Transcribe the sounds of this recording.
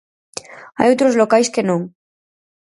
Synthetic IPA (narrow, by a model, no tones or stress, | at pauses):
a̰jot̪ɾozlokajskenõŋ